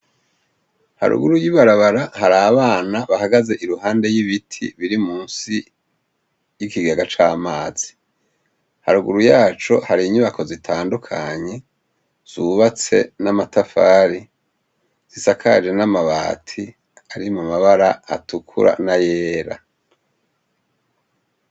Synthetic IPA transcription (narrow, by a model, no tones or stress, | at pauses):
ha̰ɾṵɡuɾujiβaɾaβaɾahaɾaːβaːnaβahaɡaze̞ʔiɾuɦaːnde̞jiβitʰḭβiɾimuːnsi | jikiɡaɡat͡ʃaːmaːz̥i̥ | haɾuɡuɾujaːt͡ʃo̞haɾiɲuβako̞zitʰaːndukʰaɲe̞ | z̥uβat͡se̞̰namatafaːɾi | z̥isakʰad͡ʒe̞namaβaːtʰi | aɾimumaβaɾa̰ːtukʰṵɾa̰najeːɾa̰